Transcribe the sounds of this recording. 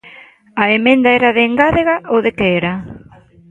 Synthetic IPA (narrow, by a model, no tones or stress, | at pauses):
aemẽnd̪aeɾaðeŋɡaðeɣaʔoðekeeɾa